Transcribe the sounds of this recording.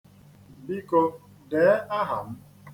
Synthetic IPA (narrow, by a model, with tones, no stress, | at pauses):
bi˦ko˦ | deː˨˦a˦ɦa˨m̩˦